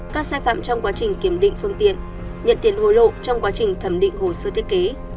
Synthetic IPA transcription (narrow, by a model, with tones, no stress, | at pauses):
kaː˦˥k̚saː˧jfa̰ː˧˨mt͡ɕɔ˧wŋ͡mkwaː˨˦t͡ɕï˨˩ŋ̟ki˨˩əmɗḭ˧˨ŋ̟fɨ˧əŋt̪ḭ˧˨ən | ɲə̰˧˨nt̪i˨˦ənho˧˩jlo̰˧˨t͡ɕɔ˧wŋ͡mkwaː˨˦t͡ɕï˨˩ŋ̟t̪ʰə˨˧˩mɗḭ̈˧˨ŋ̟ho˨˩səː˧t̪ʰi˦əke˨˦